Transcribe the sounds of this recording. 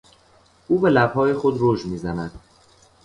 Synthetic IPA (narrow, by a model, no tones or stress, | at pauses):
ʔuːbe̞læbhɒːjexod̪ɾoːʒmiːzænæd̪̥